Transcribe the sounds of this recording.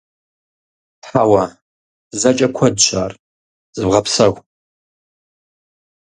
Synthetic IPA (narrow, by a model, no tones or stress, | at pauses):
tħawa | zɐt͡ʃʼɐkʷʰɐdɕʷʰa̰ːr | z̥ɨbʁɐpsɐxʷ